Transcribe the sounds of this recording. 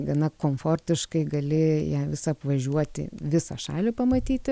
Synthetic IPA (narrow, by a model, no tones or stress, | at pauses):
ɡɐnɐkoːmfoːrʲt̪ʲɪʃkɐɪɡɐlʲɪjæːʋʲɪsɐɐpʋɐʒʲuɔt̪ʲɪ̰ʋʲɪsɐʃɑ̰ːlʲɪpɐmɐt̪ʲiːt̪ʲɪ